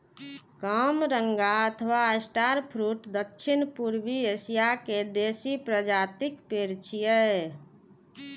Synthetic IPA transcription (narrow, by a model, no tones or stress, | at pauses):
kəmɾəŋɡaət̪ʰəʋasʈaɾpʰɾuʈd̪əkʃʰinpuɾbiesijaked̪esipɾəd͡ʒaːt̪ikpeɾt͡ʃʰijə